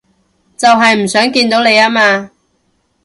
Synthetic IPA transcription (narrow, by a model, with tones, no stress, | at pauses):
t͡sɐ˨wɦɐ˨jm̩˨˩sœː˨˥ŋkiː˧nt̪o˨˥wne˨˧jaː˥maː˧